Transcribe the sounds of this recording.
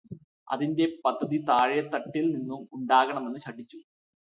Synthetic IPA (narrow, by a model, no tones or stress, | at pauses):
ɐ̰ðinde̞pɐd̪ʱːɐðit̪aːɻjɐt̪ːɐʈːilninːumuɳɖaːɣɐɳɐme̞nːɨɕɐʈːit͡ɕːu